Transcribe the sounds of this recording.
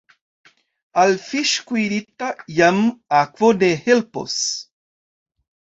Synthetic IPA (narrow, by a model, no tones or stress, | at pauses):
alfiʃkwiɾit̪ajamakvod̪ehelpo̰s